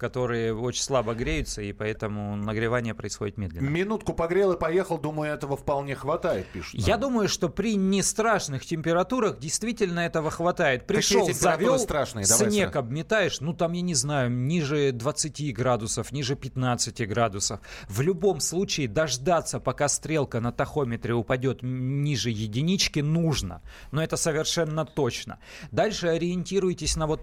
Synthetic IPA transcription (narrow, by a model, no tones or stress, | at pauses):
kɐt̪o̞ɾɨjəo̞t͡ɕɪnʲslˠabəɡɾʲejʊt̪səipɐɛt̪əmʊnəɡɾʲɪvanʲɪjəpɾəɪsxo̞dʲɪt̪mʲed̪lʲɪnmʲɪnut̪kʊpɐɡɾʲelˠɨpɐjexəlˠd̪uməjʊɛt̪əvəfpɐlˠnʲexvɐt̪ajɪt̪̚pʲiʂʊ̥t̪jad̪uməjʊʂt̪o̞pɾʲɪnʲɪst̪ɾaʂnɨxtʲɪmʲpʲɪɾɐt̪uɾəɣdʲɪjst̪vʲitʲɪlʲnəɛt̪əvəxvɐt̪ajɪt̪̚pɾʲɪʂolˠzɐvʲolsˠt̪ɾaʂnɨjəsnʲekɐbmʲɪt̪ajɪʂnut̪amjanʲɪznajʊnʲiʐɨd̪vət̪sɨtʲiɡɾad̪ʊsəfnʲiʐɨpʲɪt̪nat̪sɨtʲɪɡɾad̪ʊsəfvlʲʊbo̞mslˠut͡ɕɪɪd̪ɐʐd̪at̪sːəpɐkast̪ɾʲe̞lˠkənət̪ɐxo̞mʲɪt̪ɾʲɪʊpɐdʲo̞t̪nʲiʐɨjɪdʲɪnʲit͡ɕkʲɪnuʐnə̰ | noɛt̪əsəvʲɪrʂɛnːət̪o̞t͡ɕnə̰ | d̪alʲʂɨɐɾʲɪɪnʲtʲiɾʊjɪtʲɪsʲnɐvo̞t̪̚